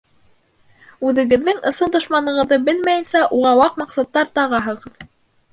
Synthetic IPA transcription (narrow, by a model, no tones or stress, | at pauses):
ʉðɘ̆ɡɘ̆ðːɘŋɤ̆sɤnd̪ŏʃmɑnɤ̆ʁɤ̆ðːɤbɘlmæjɘ̆nsæʔuʁɑwɑqmɑqsɑt̪ːɑɾt̪ɑʁɑɦɤ̆ʁɤð